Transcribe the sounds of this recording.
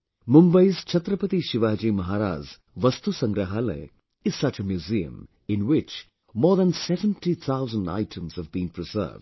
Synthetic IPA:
mũmbəjzt͡ʃʰɐt̪ɾəpət̪iʃɪʋaːd͡ʒiːmɐɦaːɾa̰ːz | ʋɐst̪usɐ̃ŋɡɾəɦalə̰ɪ | ɪz̥sɐt͡ʃəmjuziə̰̃m | ɪ̃nwɪt͡ʃ | mɔːɾd̪ə̃nsɛvə̃nʈit̪ʰaʊzə̃nɖa̰ɪʈʰə̃mz̥əvbĩːnpɾɪzə̰ːvd

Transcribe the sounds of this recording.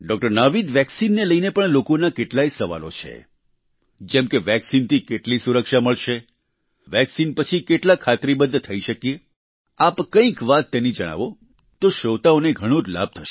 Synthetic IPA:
ɖɔk̚ʈəɾnaʋid̪ʋɛksinːeləinepəɳlokonakeʈlaisəʋa̰lo̰t͡ʃʰḛ | d͡ʒɛmkeʋɛksint̪ʰikeʈlisuɾəkʃaməɭʃe | ʋɛksinpət͡ʃʰikeʈlakʰat̪ɾibəd̪ʱːt̪ʰəiʃəkije | apkə̃ĩkʋat̪ːenid͡ʒəɽ̃a̰ʋo | t̪oʃoʋt̪aoneɡʱəɽ̃õd͡ʒla̰b̚t̪ʰəʃe̥

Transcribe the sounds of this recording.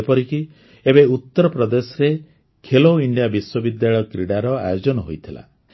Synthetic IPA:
pɔɾiki | ebeut̪ːɔɾɔpɾɔd̪esɔɾe | kʰeloiɳɖijabiswɔbid̪jaɭɔjkɾiɽaɾɔa̰jod͡ʒɔnɔɦojt̪ʰila̰

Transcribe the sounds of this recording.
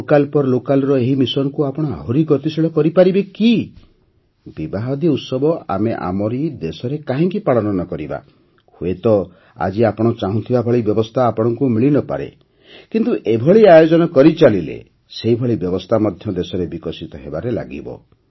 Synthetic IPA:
okalpɔɾlokalɔɾɔeɦimisɔnɔkuapɔɽ̃ɔa̰ɦuɾiɡɔt̪isiɭɔkɔɾipaɾibeki | bibaɦɔd̪iut̪sɔbɔa̰meʔa̰mɔɾid̪esɔɾekaɦĩŋkipaɭɔnɔnɔkɔɾiba̰ | huet̪ɔ | a̰d͡ʒiapɔɽ̃ɔt͡ʃaɦũt̪ʰibabʱɔɭibjɔbɔst̪ʰaːpɔɽ̃ɔŋkumiɭinɔpa̰ɾḛ | kint̪uʔebʱɔɭiajod͡ʒɔnɔkɔɾit͡ʃalilḛ | seɦibʱɔɭibjɔbɔst̪ʰamɔd̪ʱjɔd̪esɔɾebikɔsit̪ɔɦebaɾela̰ɡḭbɔ̰

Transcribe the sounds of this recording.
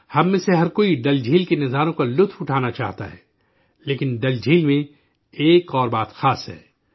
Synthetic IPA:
hɐmːẽseɦɐɾkoːiɖɐld͡ʒʱiːlkenɐzaːɾõkalʊt̪ʰfʊʈʰaːnat͡ʃa̰ːɦt̪a̰ɦɛ̰ː | leːkɪnɖɐld͡ʒʱiːlmẽ | eːkɔːɾbaːt̪xaːsɦɛ̰ː

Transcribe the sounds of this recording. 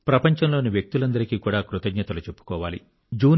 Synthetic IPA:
pɾɐpɐɲt͡ʃɐmloːniʋjek̚t̪ulɐnd̪ɐɾikiːkuːɽaːkɾut̪ɐɡɲɐt̪ɐlut͡ʃe̞pːu̥kɔːʋaːlḭ | d͡ʒuː

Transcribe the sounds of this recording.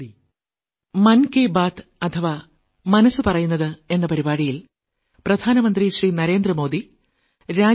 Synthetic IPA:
mɐnkeːbaːt̪ɐt̪ʰɐʋa | mɐnɐsːɨpɐrɐjunːɐðɨe̞nːɐpɐɾibaːɽijil | prɐd̪ʱaːnɐmɐnd̪riɕriːnɐɾe̞ːnd̪rɐmo̞ːd̪i | ɾaː

